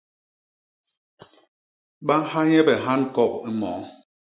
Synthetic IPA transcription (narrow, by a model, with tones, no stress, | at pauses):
ɓa˦ha˦ɲɛ˦bɛ˨ɦa˦nkɔ˦˨ki˦mɔ̰˨˦